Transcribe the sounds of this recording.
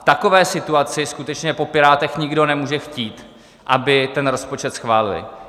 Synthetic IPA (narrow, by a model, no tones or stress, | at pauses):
ft̪akovɛːsɪt̪uat͡sɪskut̪ɛt͡ʃɲɛpo̞pɪɾaːt̪ɛxɲɪɡdo̞nɛmuːʒɛxciːt̪ | ʔabɪt̪ɛnɾo̞spo̞t͡ʃɛt̪sxvaːlɪ̰lɪ̰